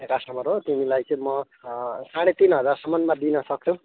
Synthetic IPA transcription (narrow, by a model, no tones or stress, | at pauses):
ekasʌmʌɾɦot̪imilajt͡sʌ̃mʌ | saɽ̃et̪inɦʌd͡zarsʌmʌnmad̪inʌsʌk̚t͡sʰũ